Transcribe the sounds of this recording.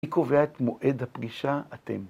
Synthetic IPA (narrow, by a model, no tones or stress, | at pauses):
iko̞veaet̪moʔedhapɡiʃaatḛm